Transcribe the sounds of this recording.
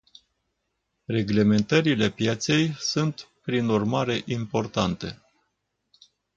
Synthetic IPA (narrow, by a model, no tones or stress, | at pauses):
re̞ɡle̞me̞nt̪əɾile̞pjet̪se̞jsunt̪pɾinurmaɾe̞ʔimpo̞rt̪ant̪e̞̰